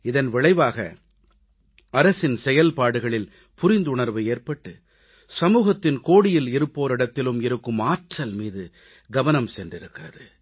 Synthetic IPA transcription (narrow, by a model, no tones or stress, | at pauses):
ɪðɐnʋɪɭɐɪʋaːɣɐ̰ | ɐɾɐsɪnsɛjɐlpaːɽɯɣɐɭɪl | pʊɾɪnd̪ʊɳɐɾʋɯeːrpɐʈːɯ | sɐmuːɣɐt̪ːɪnkoːɽɪjɪlɪɾɯpːoːɾɪɽɐt̪ːɪlɯmɪɾɯkːɯmaːʈrɐlmiːðɯ | ɡɐʋɐnɐmsɛndrɪɾɯkːɪrɐðɯ